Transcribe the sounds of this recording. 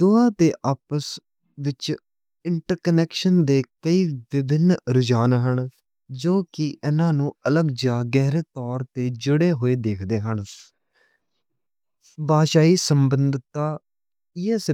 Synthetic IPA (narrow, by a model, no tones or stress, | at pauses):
d̪oːãːt̪eːʔaːpəs | ʋɪt͡ʃ | ɪɳʈəɾkənɛːkʃənd̪eːkəiːʋɪbʱɪnɾʊd͡ʒaːnɦəɳ | d͡ʒoːkɪʔɪnãːnũːələɡd͡ʒaːɡɛːɾeːt̪ɔːɾt̪eːd͡ʒʊɽeːɦoːeːd̪eːkʰd̪eːɦəɳ | baːʃaːiːsəmbənd̪ʱt̪ːaː | iɛs